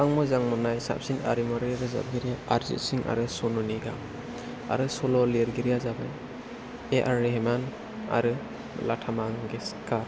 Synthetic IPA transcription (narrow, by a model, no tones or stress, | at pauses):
aŋmɯzaŋmɔnajsa̰p̚sina̰ɾimɔɾiaɾɯza̰b̚ɡiɾijaaɾzḭtsiŋʔa̰ɾɯsɔnɔniɡa̰ | a̰ɾɯsɔlɔliɾɡiɾijazabaj | eʔaɾiɦeman | a̰ɾɯ | latʰamaŋɡeskaɾ